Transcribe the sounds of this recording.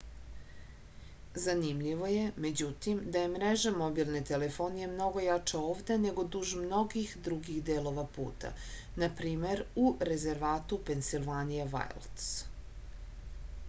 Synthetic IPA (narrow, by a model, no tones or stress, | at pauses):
zanimʎiʋo̞je̞me̞d͡ʑut̪imd̪aje̞mɾeʒamo̞bilˠne̞t̪elefo̞ːnijemno̞ɡo̞jat͡ʂaoːvd̪e̞ne̞ɡo̞d̪uʒmno̞ɡixd̪ɾuɡiɣd̪eːlo̞ʋapṵːt̪a̰ | napɾiːme̞ɾuɾe̞ze̞ɾʋaːt̪upensilˠʋanijeʋa̰jlˠt̪s